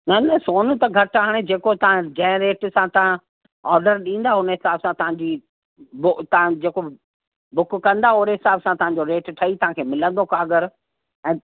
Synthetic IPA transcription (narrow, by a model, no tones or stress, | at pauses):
nɐnɐsoːn̆t̪ɐɡʱɐɾʈʰaɦaɽ̃ed͡ʑeːkot̪ɐʋãd͡ʑɐ̃ɦɪ̃ɾeːʈsãt̪ɐʋã | ɔːɾɖəɾɗĩːn̆d̪aʊnəɦɪsaːbsãt̪ɐɦãɲd͡ʑiː | bʊt̪ɐãd͡ʑeːko | bʊkkɐ̃nd̪aoːɾeɦɪsaːbsãt̪ɐʋ̤ãɲ̆d͡ʑoɾeːʈʈʰɐit̪ɐɦãkʰeːmɪlə̃nd̪okaːɡəɾ | ɛ̃ː